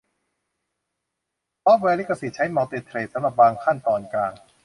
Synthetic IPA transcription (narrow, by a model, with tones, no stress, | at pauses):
pʰɔː˦˥p̚wɛː˧li˦˥kːa˧˩si˨˩t͡ɕʰa˦˥jmɔː˧t̪eː˧t̪ʰɾeː˨˩t̪̚sa˨˦mɾa˨˩p̚baː˧ŋkʰa˥˩nt̪ɔː˧nklaː˧ŋ